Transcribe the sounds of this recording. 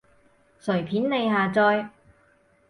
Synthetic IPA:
sɵ˨˩ɥpʰiː˨˥nle˨˧jɦaː˨t͡sɔː˧j

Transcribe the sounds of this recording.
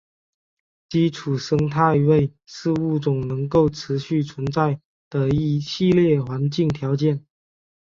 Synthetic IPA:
t͡ɕi˥ʈ͡ʂʰu˨˩ʂɤ˥ŋt̪ʰa˥˩ɪ˧we˥˩ɪʂɻ̩˥˧u˥˩t͡sʊ˨˩ŋnɤ˧˥ŋko˥˩ʊʈ͡ʂʰɻ̩˧˥ɕy˥˩t͡sʰwə˧˦˥nt͡sa˥˩ɪ | t̪ə˧˩i˧˥ɕi˥˧ljɛ˥˩xwa˧˥nt͡ɕi˥˩ŋt̪ʰjɑ˧˥ʊt͡ɕjɛ˥˩n

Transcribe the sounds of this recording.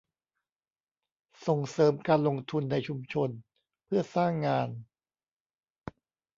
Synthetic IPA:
so˨˩ŋsɤː˩˦mkaː˧nlo˧ŋt̪ʰu˧nːa˧jt͡ɕʰu˧mt͡ɕʰo˧n | pʰɯ˥˩ɐsaː˥˩ŋːaː˧n

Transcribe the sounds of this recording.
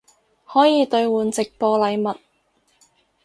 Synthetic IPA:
hɔː˨˥jiː˨˧t̪ɵ˧ɥwuː˨nt͡sɪ˨k̚pɔː˧lɐ˨˧jmɐ˨t̚

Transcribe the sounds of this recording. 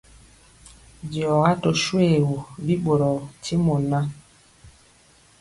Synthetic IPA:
d͡ʒi˨ɔ˨ɣa˦to˨ʃwe˦˨wu˨bi˦ɓo˨ɾɔ˨ti˦mo˨na˦

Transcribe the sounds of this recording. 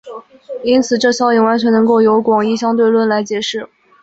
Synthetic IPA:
i˥nt͡sʰɹ̩˨˩ʈ͡ʂɤ˥˩ɕjɑ˥i˨˩ŋwa˧˥nt͡ɕʰɥɛ˧˥nɤ˧˥ŋko˥˩ʊjo˧˥ʊkwɑ˨˩ŋi˥˩ɕjɑ˥ŋt̪we˥˧ɪlwə˥˩nla˧˥ɪt͡ɕjɛ˨˩˥ʂɻ̩˥˩

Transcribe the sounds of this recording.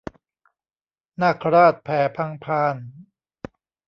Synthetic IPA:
naː˥˩kʰɾaː˥˩t̪̚pʰɛː˩˦pʰa˧ŋpʰaː˧n

